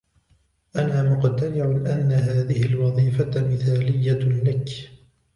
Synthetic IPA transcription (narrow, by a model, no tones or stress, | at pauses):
ʔanaːmʊqt̪anɪʕʊʔanːaɦaːðɪhɪlwɑðˤiːfamɪθaːlɪjːalak